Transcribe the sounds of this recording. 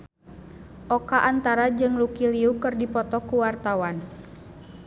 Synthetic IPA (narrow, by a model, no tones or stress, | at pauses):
ʔɔkaʔant̪aɾad͡ʒɨŋlukiliukɨrdipɔt̪ɔkuwart̪awan